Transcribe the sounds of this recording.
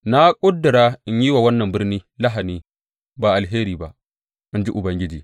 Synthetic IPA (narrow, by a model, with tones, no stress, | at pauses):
na˦kʷʼʊ˦dːɪ˨ɾaː˦ʔɪ˦ɲji˦waː˨wɐ˦nːɐ˨mbɪ˦rniː˦la˦ɦa˨niː˦ | baː˨ʔa˨lɦeː˦ɾiː˨ba˦ʔ | ʔɪ˦nd͡ʒi˦ʔʊ˨bɐ˦ŋɡʲɪ˦d͡ʒiː˨